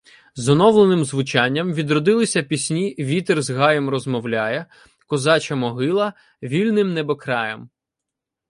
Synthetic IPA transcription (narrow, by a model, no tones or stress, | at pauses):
zɔnɔwlˠenɪmzʋʊt͡ʃɑnʲːɐmʋʲid̪ɾɔd̪ɪlˠɪsʲɐpʲisʲnʲiʋʲit̪erzɦɑjɔmrɔzmɔwlʲajɛ | kɔzɑt͡ʃɐmɔɦɪlˠɐ | ʋʲilʲnɪmnɛbɔkɾɑjɐm